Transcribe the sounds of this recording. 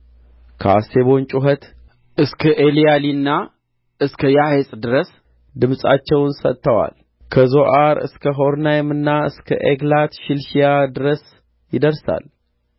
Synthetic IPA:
kʰa̰seβo̞nt͡ʃʼuɦət̪ | ʔɨskʰəʔelijalinːa | ʔɨskʰəjahesʼd̪ɨɾəs | d̪ɨmsʼa̰t͡ʃːɛwnsə̰t̪ʰːəwa̰l | kʰəzo̞ʔaɾɨ̰skʰəɦo̞ɾnajmɨnːaɨskʰə̰ʔeɡlat̪ʃɪlʃijad̪ɨɾəs | jɪd̪əɾsa̰l

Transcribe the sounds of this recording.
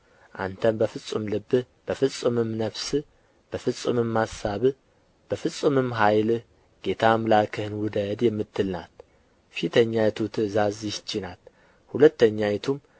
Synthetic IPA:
ʔa̰nt̪ʰəmbəfɨsʼumlɨbːɨ | b̥əfɨsʼɨmɨmnəβsɨ | b̥əfɨsʼṵmɨmːasaβ | b̥əfɨsʼɨmɨmːɦajl | ɡ̥e̞t̪ʰamlakʰɨhɨnwʊd̪əd̪jɛmːɨt̪ːɨlna̰t̪ | fit̪ʰəɲːajɛt̪ʰut̪ʰɨzaziʃt͡ʃːɪnat̪ | hulət̪ːəɲːajɛt̪ʰum

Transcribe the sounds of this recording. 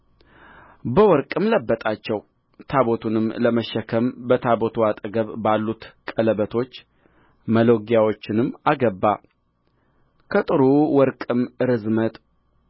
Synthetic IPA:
bəwɔɾkʼɨmləbːət̪ʼat͡ʃːɛw | t̪ʰaβot̪ʰunɨmləməʃːəkʰəmbət̪ʰabot̪ʰuat̪ʼəɡəβbalːut̪kʼələβət̪ʰo̞t͡ʃː | məlo̞ɡjawot͡ʃːɪnɨmːaɡəbːa | kʰət̪ʼɨɾuwɔɾkʼɨmɨɾɨzmət̪ʼ

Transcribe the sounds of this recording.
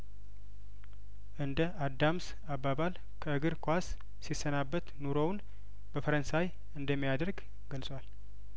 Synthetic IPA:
ʔɨnd̪əʔad̪ːams | abːaβal | kʰəɨɡɨɾkʰʷas | sisənabːət̪nuɾown | bəfəɾənsaj | ɨnd̪əmːijad̪əɾɡ | ɡəlsʼwal

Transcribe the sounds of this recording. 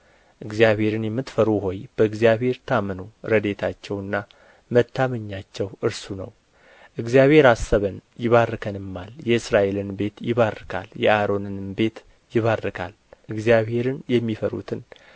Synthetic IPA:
ʔɨɡzjaβhe̞ɾɨnjɛmːɨt̪fəɾuɦo̞jb̥əɨɡzijaβhe̞ɾt̪ʰamənuɾəd̪e̞t̪ʰat͡ʃːɛwɨnːa | mət̪ʰːaməɲːat͡ʃːɛwʔɨɾsunə̰w | ʔɨɡzijaβhe̞ɾasːəβənjɪβarːɨkʰənɨmːaljɛɨsɾaʔe̞lɨnbe̞t̪jɪβarːɨkʰa̰ljɛʔaɾo̞nɨnbe̞t̪ | jɪβarːɨkʰa̰l | ʔɨɡzijaβhe̞ɾɨnjɛmːifəɾṵt̪ʰɨn

